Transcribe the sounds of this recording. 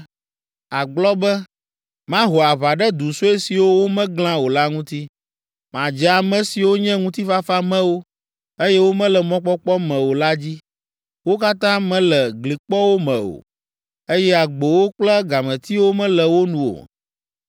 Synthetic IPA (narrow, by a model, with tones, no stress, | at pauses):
a˨ɡ͡blɔ˦bɛ˦ | mã˦ɦo˨a˨βa˨ɖɛ˦d̪u˨so˦e˦si˨wo˦wo˦mɛ̃˦ɡl̃ã˦wo˨la˦ŋũ˦t̪i˦ | m˨ã˨d͡ʒɛ˨a˨mɛ̃˨si˨wo˦ɲɛ̃˦ŋũ˦t̪i˦fa˦fa˦mɛ̃˦wo˦ | e˦jɛ˦wo˦mɛ̃˦lɛ˨mɔ̃˦k͡pɔ˦k͡pɔ˦mɛ̃˨wo˨la˦d͡ʑi˦ | wo˦ka˦t̪ã˦mɛ̃˦lɛ˨ɡli˨k͡pɔ˦wo˦mɛ̃˨o̰˨ | e˦jɛ˦a˨ɡ͡bo˨wo˦k͡plɛ˦ɡa˨mɛ̃˨t̪i˦wo˦mɛ̃˦lɛ˨wo˦nũ˨o̰˨